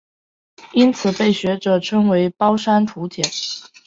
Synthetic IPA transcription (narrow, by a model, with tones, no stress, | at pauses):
i˥nt͡sʰɹ̩˨˩pe˥˩ɪɕɥɛ˧˥ʈ͡ʂɤ˨˩ʈ͡ʂʰɤ˥ŋwe˧˥ɪpɑ˥ʊʂa˥nt̪ʰu˧˥t̪ʰjɛ˨˩˦n